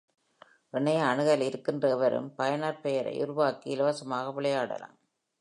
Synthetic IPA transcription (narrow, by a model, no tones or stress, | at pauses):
ɪɳɐjɐːɳɯɣɐlɪɾɯkːɪndrɐɛʋɐɾɯ̰mpɐjɐnaːɾpejɐɾɐ̰ɪʔʊɾʊʋaːkːiɪlɐʋaːsɐmaːɣɐʋɪɭɐjaːɽɐ̰la̰ːm